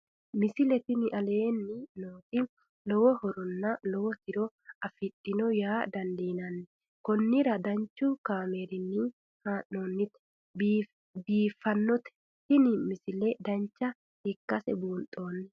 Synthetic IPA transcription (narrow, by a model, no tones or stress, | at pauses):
mɪsɪlɛt̪ɪnɪʔɐle̞ːnːɪnoːt̪ɪ | lɔwɔhɔɾɔnːɐlɔwɔt̪ɪɾɔ | ɐfɪᶑɪnɔjaːd̪ɐnd̪iːnɐnːɛ | kɔnːɪɾɐd̪ɐɲt͡ʃːʊkaːmeːɾɪnːɪ | haːʔoːnːɪt̪ː | biːfːɐnːɔt̪ɛ̥ | t̪ɪnɪmɪsɪlɛd̪ɐnt͡ʃːɐ | hɛkːɐsɛbuːnt̪ʼːo̞ːnːɛ